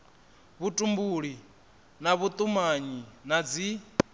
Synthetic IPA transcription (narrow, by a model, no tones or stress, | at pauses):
βutʼumbuɺi | naβut̪ʼumaɲinad͡zi